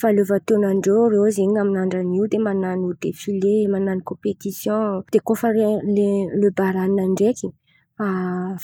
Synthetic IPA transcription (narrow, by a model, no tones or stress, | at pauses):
faleovat̪enaɳɖ͡ʐerewaziɲaminaɳɖ͡ʐaniwd̪emananud̪̥efilemananikɔ̃pet̪isjɔ̃d̪̥ekofaleløbaɾaninaɳɖ͡ʐekʲi | af